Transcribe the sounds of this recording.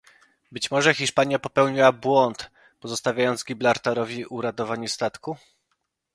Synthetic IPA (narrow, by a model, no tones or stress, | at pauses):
bɘt͡ɕmɔʐɛxʲiʂpaɲjapɔpɛwɲiwabwɔnt̪ | pɔzɔst̪avʲjajɔnd̪zɡʲiblaɾt̪aɾɔvʲiuɾat̪ɔvaɲust̪at̪ku